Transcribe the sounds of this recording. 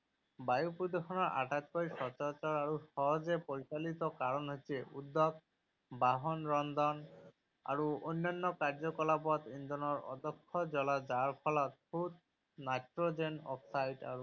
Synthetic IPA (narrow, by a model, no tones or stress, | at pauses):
bajupud̪exʰɔnɔɹʔa̰ʈat̪̚koɹisɔt͡ʃɔt͡ʃɔɹaɹusɔɦɔzɛpoɹisalit̪ɔkaɹɔnɦojsɛud̪ːɔɡ̚ | baɦɔnɹɔnd̪ɔn | a̰ɹuojnːanːɔkaɹd͡ʒɔkɔlapɔt̪ind̪ɔnɔɹɔ̰d̪ɔkʰːɔd͡ʒɔlazaɹpʰɔlɔt̪̚pʰut̪̚ | najtɹod͡ʒenɔ̰psajda̰ɹu